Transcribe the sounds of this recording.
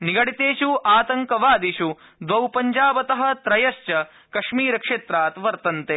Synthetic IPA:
niɡɐɽit̪eːʃuʔaːt̪ɐŋkɐʋaːd̪iʃu | d̪ʋɐwpɐɲd͡ʒaːbɐt̪ɐɦɐ̆t̪ɾɐjɐʃt͡ʃɐ | kɐʃmiːɾɐkʂeːt̪ɾaːt̪ʋɐɾt̪ɐnt̪eː

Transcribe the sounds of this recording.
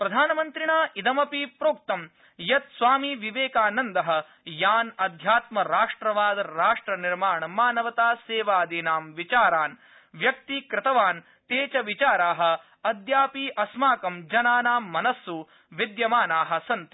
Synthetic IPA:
pɾɐd̪ʱaːnɐmɐnt̪ɾiɳaːʔid̪ɐmɐpipɾoːk̚t̪ɐm | jɐt̪sʋaːmiʋiʋeːkaːnɐnd̪ɐɦɐ̆ | jaːnɐd̪ʱjaːt̪mɐɾaːʂʈɾɐʋaːd̪ɾaːʂʈɾɐniɾmaːɳɐmaːnɐʋɐt̪aːseːʋaːd̪iːnaːmʋit͡ʃaːɾaːn | ʋjɐkt̪ikɾɪt̪ɐʋaːn | t̪eːt͡ʃɐʋit͡ʃaːɾaːɦɐ̆ | ɐd̪ʱjaːpiʔɐsmaːkɐmd͡ʒɐnaːnaːmːɐnɐsːu | ʋid̪jɐmaːnaːɦɐ̆sɐnt̪i̥

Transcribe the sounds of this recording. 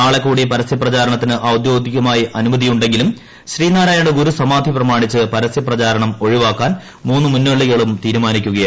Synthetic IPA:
aːɭekːuːɽipɐɾɐsjɐprɐt͡ɕaːɾɐɳɐt̪ːinɨʔɐwd̪jo̞ːd̪iɣɐmaːjiʔɐnumɐðijuɳɖe̞ŋɡilum | ɕriːnaːɾaːjaːɳɖɨɡuɾusɐmaːd̪ʱiprɐmaːɳit͡ɕːɨpɐɾɐsjɐprɐt͡ɕaːɾɐɳɐmo̞ɻiʋaːkːaːn | muːnːɨmunːuʋeɭːiɣɐɭumt̪iːɾumaːnikʲːuɣɐjɐ

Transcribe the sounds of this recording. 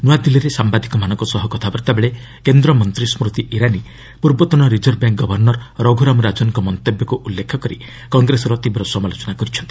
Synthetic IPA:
nuwad̪iliɾesambad̪ʱikɔmanɔŋkɔsɔɦɔkɔt̪ʰabɔɾt̪abeɭe | kend̪ɾɔmɔnt̪ɾismɾut̪iʔiɾani | puɾbɔt̪ɔnɔɾid͡ʒɔɾbjaŋkɡɔbʱɔɾnɔɾɾɔɡʱuɾamɔɾad͡ʒɔnkɔmɔnt̪ebjɔkuʔulːekʰɔkɔɾḭ | kɔŋɡɾesɔɾɔt̪ibɾɔsɔmalot͡ʃɔnakɔɾit͡ʃʰɔnt̪i̥

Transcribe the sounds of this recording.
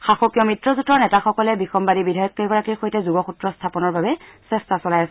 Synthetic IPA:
xaxokijɔmitɹɔzutɔɹnɛtaxɔkɔlɛbixɔmbadibidʱajɔkːeɡɔɹakiɹxojtɛzuɡɔxutɹɔstʰapɔnɔɹbabɛsɛstasɔlajasɛ

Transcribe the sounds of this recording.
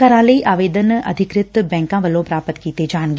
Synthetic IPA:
əɾãːləiːʔaːʋeːd̪ənə̰d̪ʱɪkɾɪt̪bɛ̃ːŋkãːʋəlõːpɾaːpət̪kiːt̪ed͡ʒaːɳ̃ɡ

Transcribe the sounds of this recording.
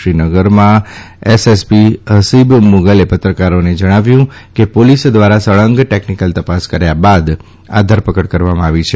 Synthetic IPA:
ɾinəɡəɾmã | esespiɦəsibmuɡəlepət̪ɾəkaɾoned͡ʒəɽ̃aʋjũkepolisd̪ʋaɾasəɭəŋɡʈeknikəlt̪əpaskəɾjabad̪ | a̰d̪ʱəɾpəkəʈkəɾʋamãaʋit͡ʃʰe

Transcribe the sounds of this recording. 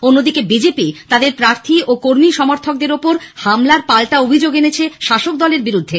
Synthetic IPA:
onːod̪ikebid͡ʑepit̪ad̪eɾpɾaɾt̪ʰiʔokoɾmiʃɔmoɾt̪ʰok̚d̪eɾopoɾhamlaɾpalʈaobʱid͡ʑoɡenet͡ɕʰeʃaʃok̚d̪ɔleɾbiɾud̪ʱːe

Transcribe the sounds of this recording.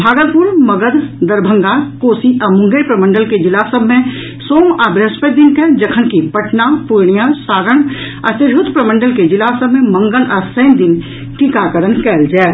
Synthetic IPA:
bʱaːɡət̪̚puɾməɡəd̪d̪əɾbʱə̃ŋɡakoːsiʔɐmʊ̃ŋɡepɾəmə̃ɳɖəlked͡ʒɪlaːsəbʱmẽ | soːmaːbɾəspəd̪inkɛd͡ʒəkʰənkipəʈnapuɾɽijasaːɾəɽ̃ | ɐt̪ɪɾɦʊt̪pɾəmə̃ɳɖəlked͡ʒɪlaːsəbʱmẽmə̃ŋɡənɔsə̃ɪnd̪ɪn | ʈikakəɾənkɛːld͡ʒaːe

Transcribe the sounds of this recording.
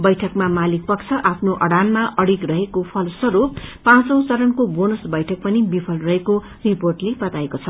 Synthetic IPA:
bʌjʈʰʌkmamalik̚pʌkt͡sʰʌʔapʰnoʔʌɽanmaʔʌɽikrʌɦekopʰʌlsʌɾuppãt͡sʌ̃w̃t͡sʌɾʌnkobonʌsbʌjʈʰʌk̚pʌnibipʰʌlrʌɦeko | riporʈlebʌt̪aekot͡sʰʌ

